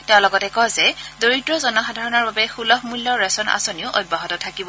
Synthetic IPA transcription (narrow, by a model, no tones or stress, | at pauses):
tɛʊ̃lɔɡɔtɛkɔzɛdoɹitɹɔzɔnɔxadʱaɹɔnaɹbabɛxulɔɦmulːɔɹɛsɔna̰soniʊʔɔd̚baɦɔtɔtʰakibɔ